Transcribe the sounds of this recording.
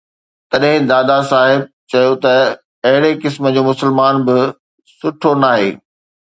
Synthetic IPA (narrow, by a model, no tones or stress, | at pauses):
t̪ɐɗɦɪ̃d̪aːd̪asaːɦɪb̚t͡ɕɐjot̪ɐ | ɐɦɪɾekɪsmə̆d͡ʑoːmʊsəlmaːnbɪ | sʊʈʰonaːɦḛː